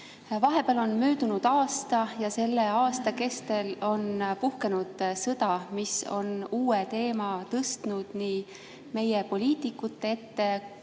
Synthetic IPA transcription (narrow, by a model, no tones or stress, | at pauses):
vɑɦe̞beɑlo̞nmøːd̪̥unud̪̥ɑːst̪ɑjɑse̞lːe̞ɑːst̪ɑke̞st̪e̞lo̞npuhke̞nud̪̥sɤd̪̥ɑmiso̞̰nuːet̪e̞ːmɑt̪ɤst̪nud̪̥niː | me̞jepolʲiːt̪ˑikːˑut̪ˑːee̞t̪ːe̞